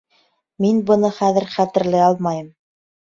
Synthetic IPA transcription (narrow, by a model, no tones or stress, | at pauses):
minbɤ̆nɤχæðɘ̆ɾχæt̪ɘ̆ɾlɘɑlˠmɑjɤm